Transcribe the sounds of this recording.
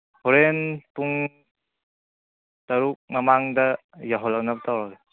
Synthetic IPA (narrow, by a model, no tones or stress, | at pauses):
hɔɾenpuŋ | taɾuk̚mamaŋdɐ | jaɦɔlaknap̚tʰawɾale